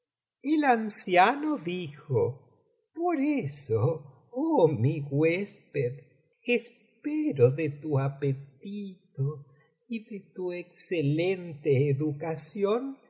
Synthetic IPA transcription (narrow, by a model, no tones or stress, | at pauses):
elansjanoðixo | poɾeso | omiɣwespeð | es | peɾoðet̪uapet̪it̪o | iðet̪uekselent̪eːðukasjon